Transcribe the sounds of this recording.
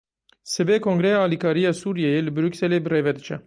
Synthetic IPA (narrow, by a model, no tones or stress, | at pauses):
sɨbeːkʰoŋɡɾɛjɑːɑːlikʰɑːɾijɑːsuːɾijɛjelɨbɨɾuːksɛleːbɨreːvɛd̪ɨt͡ʃʰɛ